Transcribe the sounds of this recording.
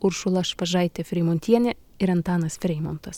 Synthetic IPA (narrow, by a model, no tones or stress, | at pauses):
ʊɾʃʊlˠɐʃpɐʒɑɪt̪ʲɛfʲɾʲɛɪmoːnʲt̪ʲiɛnʲɛ | ɪɾɐnt̪ɑːnɐsfʲɾʲɛɪmont̪ɐs